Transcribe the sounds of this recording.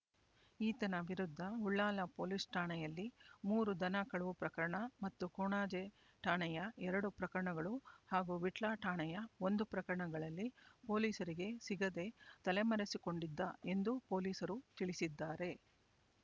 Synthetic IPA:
iːt̪ɐnɐʋiɾud̪ʱːɐuɭːaːlɐpo̞ːliːsʈʰaːɳɛjɐlːimuːɾud̪ɐnɐkɐɭɐʋupɾɐkɐɾɐɳɐmɐt̪ːukoːɳaːd͡ʒe | ʈʰaːɳɛjɐɛɾɐɽupɾɐkɐɾɐɳɐɡɐɭuhaːɡuːʋiʈɭaːʈʰaːɳɛjɐo̞nd̪upɾɐkɐɾɐɳɐɡɐɭɐlːipo̞ːliːsɐɾiɡe̞siɡɐd̪e̞t̪ɐle̞mɐɾesiko̞ɳɖid̪ːɐe̞nd̪upo̞ːliːsɐɾut̪iɭisid̪ːaːɾe̞

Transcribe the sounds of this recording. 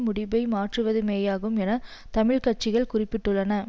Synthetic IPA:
mʊɽɪbɐɪmaːʈrɯʋɐðɯmeːjaːɣɯmɛnɐ | t̪ɐmɪɭkɐʈ̚t͡ʃːɪɣɐɭkʊrɪpːɪʈːɯɭːɐnɐ

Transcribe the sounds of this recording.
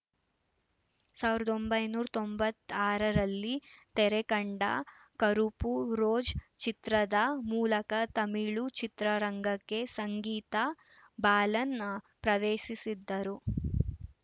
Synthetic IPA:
saːʋiɾɐd̪o̞mbɐjnuːɾɐt̪ombɐt̪ːaːɾɐɾɐlːit̪ɛɾekɐɳɖɐ̰ | kɐɾupuɾoːd͡ʒt͡ʃit̪ɾɐd̪ɐmuːlɐkɐt̪ɐmiɭut͡ʃit̪ɾɐɾɐŋɡɐkːe̞sɐŋɡiːt̪ɐ | baːlɐnːɐ | pɾɐʋeːʃisid̪ːɐɾu

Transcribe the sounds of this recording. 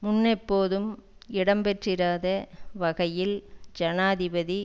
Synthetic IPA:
mʊnːɛpːoːðɯm | ɪɽɐmpɛʈrɪɾaːðɐʋɐɣɐjɪld͡ʒɐnaːðɪbɐði

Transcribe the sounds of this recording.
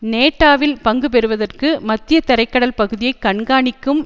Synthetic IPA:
neːʈːaːʋɪlpɐŋɡɯpɛɾɯʋɐðɐrkɯmɐt̪ːɪjɐt̪ɐɾɐɪkːɐɽɐlpɐɣɯðɪjɐɪkːɐɳɡaːɳɪkːɯm

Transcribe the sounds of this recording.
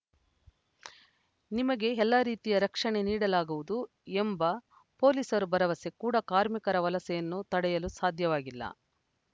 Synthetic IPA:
nimɐɡe̞ɛlːaːɾiːt̪ijɐɾɐkʂɐɳe̞niːɽɐlaːɡuʋud̪u | embɐ | po̞ːliːsɐɾubɐɾɐʋɐse̞kuːɽɐkaːɾmikɐɾɐʋɐlɐsɛjɐnːut̪ɐɽɛjɐlusaːd̪ʱjɐʋaːɡilːɐ̰

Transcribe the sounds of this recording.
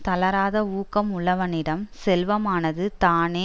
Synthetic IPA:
t̪ɐlɐɾaːðɐuːkɐmʊɭɐʋɐnɪɽɐmsɛlʋɐmaːnɐðɯt̪aːneː

